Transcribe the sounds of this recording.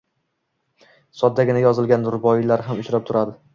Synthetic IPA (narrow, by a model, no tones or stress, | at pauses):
sɒd̪ːaɡʲɪnajɒzɪlˠɡʲanːʊɾbɒɪlaɾɦamʊt͡ʃʰɾap̚t̪ʰʊɾad̪ɪ